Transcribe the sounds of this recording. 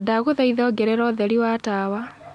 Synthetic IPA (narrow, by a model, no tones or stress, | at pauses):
daɣoðɛiðɔɡɛɾɛɾɔðɛɾiwatawa